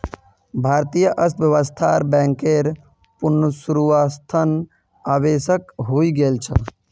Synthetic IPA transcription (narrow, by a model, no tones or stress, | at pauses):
bʱaɾt̪ijəʔəst̪ʋjəʋəst̪ʰaɾbɛ̃ŋkeɾ | punːəsuɾuʋast̪ʰən | abesəkɦoiɡelt͡ʃʰə̰